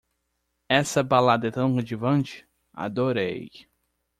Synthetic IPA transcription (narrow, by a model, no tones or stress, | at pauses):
ɛsɐbalad̪ɐt̪ɐ̃w̃ʁed͡ʒivɐ̃nt͡ʃɪ̥ | a̰d̪oɾḛj